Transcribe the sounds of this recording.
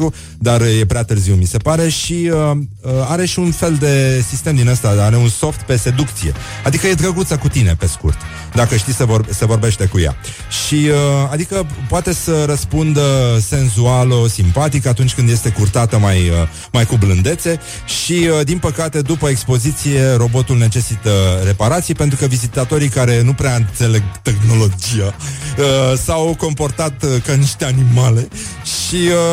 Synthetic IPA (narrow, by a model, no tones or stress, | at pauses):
u | d̪arje̞pɾeat̪ɨrziwmise̞paɾe̞ʃiə | əaɾe̞ʃiunfe̞ld̪e̞sist̪e̞md̪inast̪aaɾe̞unso̞ft̪pe̞se̞d̪ukt̪sije̞̰ | ad̪ikəjed̪ɾəɡut̪səkut̪ine̞̰pe̞skṵrt̪ | d̪akəʃt̪isevorse̞vo̞rbe̞ʃt̪e̞kuja̰ | ʃiəad̪ikəpoat̪e̞səɾəspund̪əse̞nzualosimpat̪ikat̪unt͡ʃʲkɨnd̪je̞st̪e̞kurt̪at̪əmajə | majkublɨnd̪e̞t̪se̞ | ʃiəd̪inpəkat̪e̞d̪upəekspo̞zit̪sije̞ro̞bo̞t̪ulne̞t͡ʃe̞sit̪əre̞paɾat̪sijpe̞nt̪ɾukəvizit̪at̪o̞ɾikaɾe̞nupɾeaɨnt̪se̞le̞ɡt̪e̞xno̞lo̞d͡ʒijaəsawko̞mpo̞rt̪at̪kaniʃt̪e̞animale̞ | ʃiə